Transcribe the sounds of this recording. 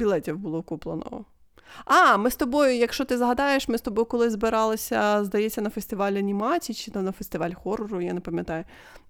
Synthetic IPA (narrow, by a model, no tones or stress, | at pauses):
bʲilˠɛtʲiwbʊlˠɔkuplˠɐ̰nɔ̰ɔ̰ | ɑmɪst̪ɔbɔjʊjɐkʃt͡ʃɔt̪ɪzɦɐd̪ɑjeʃmɪst̪ɔbɔjʊkɔlˠɪzbɪɾɑlˠɪsʲɐzd̪ɐjɛt͡sʲːɐnɐfesʲt̪ɪʋɑlʲɐnʲimɑt͡sʲit͡ʃɪnɐnɐfesʲt̪ɪʋɑlʲxɔrɔɾʊjanepɐmʲjɐt̪ɑjʊ